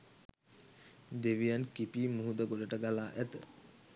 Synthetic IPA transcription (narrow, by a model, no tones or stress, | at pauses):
d̪eʋijankipiːmuɦud̪əɡoɖəʈəɡalaːʔæt̪ə